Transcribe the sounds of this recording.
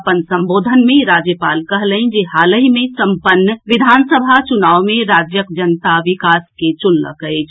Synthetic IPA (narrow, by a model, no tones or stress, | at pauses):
pənsə̃mboːd̪ʱənmẽɾaːd͡ʒjəpaːlkɐɦləĩd͡ʒeɦaːləɦimẽsə̃mpənːəʋɪd̪ʱaːnsəbʱat͡ʃʊnaːʋmẽɾaːd͡ʒjəkd͡ʒənt̪aʋɪkaːsket͡ʃʊlːə̰kəed͡ʒ